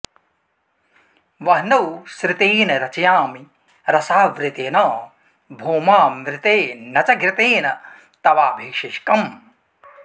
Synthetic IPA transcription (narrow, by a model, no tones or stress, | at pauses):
ʋɐɦnɐwsɾɪt̪eːnɐɾɐt͡ʃɐjaːmi | ɾɐsaːʋɾɪt̪eːnaː | bʱoːmaːmɾɪt̪eːnɐt͡ʃɐɡɾɪt̪eːnɐ | t̪ɐʋaːbʱiːkʂiʃkɐm